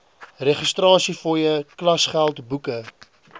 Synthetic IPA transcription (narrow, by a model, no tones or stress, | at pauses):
reχəstrɑːsifɔjəklɐsχælˠtbukə